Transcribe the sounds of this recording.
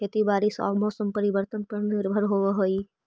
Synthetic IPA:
et̪ibaːɾisɔ̰ːɾmɔːsəmpəɾiʋəɾt̪ənpəɾnɪɾbʱəɾɦoʋeɦoi

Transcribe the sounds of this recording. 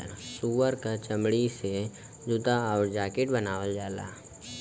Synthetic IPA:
suːʋəɾkat͡ʃəmɽise | d͡ʒʊt̪aɔːɾd͡ʒaːkɪʈbənaːʋəld͡ʒaːla̰ː

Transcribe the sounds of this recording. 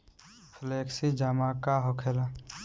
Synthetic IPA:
fʰleksid͡ʒamakaɦokʰela

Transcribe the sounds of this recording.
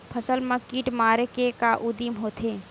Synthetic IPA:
pʰəsəlməkiːʈmaːɾekekaʔʊd̪imɦoːt̪ʰeː

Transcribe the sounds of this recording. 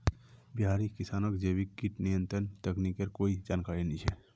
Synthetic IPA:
biɦaːɾikɪsaːnəkd͡ʒeːbikkiʈnijə̃nt̪ɾənt̪eknikeɾkoːid͡ʒaːnkaːɾinit͡ʃʰɛ

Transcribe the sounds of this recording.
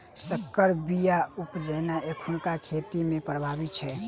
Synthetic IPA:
səkːəɾbijaupd͡ʒənaekʰunkakʰet̪imepɾəbʱabit̪t͡ʃʰɛ

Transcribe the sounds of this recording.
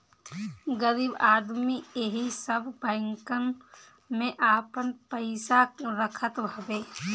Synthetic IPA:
ɡəɾiːbaːd̪mieɦisəbbɛ̃ŋkən | mẽʔaːpənpəɪsaɾəkʰət̪bʱəbeː

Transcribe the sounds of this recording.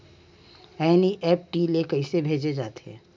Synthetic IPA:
ɛːniʔɛːp̚ʈiːlekɐɪsebʱeːd͡ʒed͡ʒaːt̪e̥ɦɛ̰̃ː

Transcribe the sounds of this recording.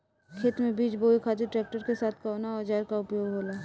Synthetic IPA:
kʰeːt̪mẽbiːt͡ʃboːikʰaːt̪iʈɾɛːk̚ʈəɾkesaːt̪ʰkəʊnaɔːɾd͡ʒaːɾkaʊpjoːɡɦoːlaː

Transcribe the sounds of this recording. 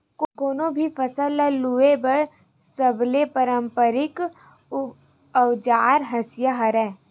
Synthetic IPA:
kɡoːnõbʱifʰəsəlɛluebəɽ | səblepəɾə̃mpəɾɪk | əwd͡ʒaːɾɦɐsjaɦəɾɛː

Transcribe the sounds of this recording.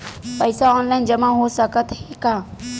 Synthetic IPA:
pəɪsaɔːnlaɪnd͡ʒɐmãɦosəkət̪ɦɛkãː

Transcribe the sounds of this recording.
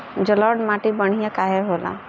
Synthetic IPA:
d͡ʒəlɔɖmaːʈibəɽ̤ijakaːɦeɦoːla̰

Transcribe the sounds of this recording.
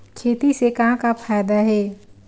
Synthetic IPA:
kʰeːt̪isekãːkapʰaːjd̪aɦɛː

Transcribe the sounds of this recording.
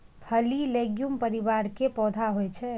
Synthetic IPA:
pʰəlileɡjumpəɾiβaɾkepɔd̪ʱaɦojt͡ʃʰɛ

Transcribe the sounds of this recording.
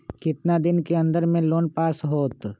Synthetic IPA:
kɪt̪nad̪ɪnkeɐ̃nd̪əɾmẽloːnpaːsɦoːt̪

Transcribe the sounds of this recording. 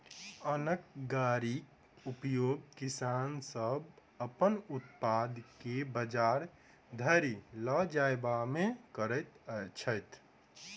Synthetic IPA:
ənək̚ɡaɾik | upjoɡkisansəb | əpənut̪pad̪kebəd͡ʒaɾ | d̪ʱəɾiləd͡ʒaebamekəɾət̪əjt͡ʃʰəjt̪ʰ

